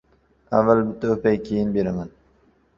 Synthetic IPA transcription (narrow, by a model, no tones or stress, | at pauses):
avːalbʊt̪ʰopajkʰʲejɪnbeɾaman